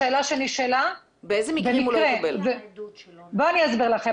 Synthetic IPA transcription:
eːlaʃeniʃela | beezemibemiimuloʁjebelv | boaniazbiʁlaχe

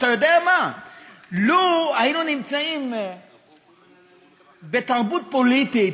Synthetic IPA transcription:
t̪ajod̪eama | luajinunimt͡saim | be̞t̪aʁbut̪̚po̞lit̪it

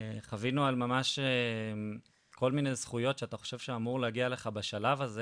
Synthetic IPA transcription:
χavinualmamaʃe | ko̞lmine̞jzχujo̞tʃeat̪aχo̞̥ʃevʃeamuʁleaɡiale̞χabeʃalavaze

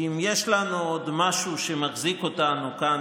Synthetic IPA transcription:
imjeʃlanuod̪maʃuʃe̞maχziko̞tanuka

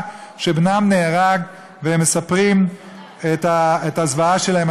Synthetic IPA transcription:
ʃebnamneːʁaɡ | veemːesapʁim | et̪aetazvaaʃe̞lahem

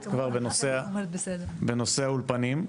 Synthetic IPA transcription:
kvaʁbenosebed̪beno̞seaulpanim

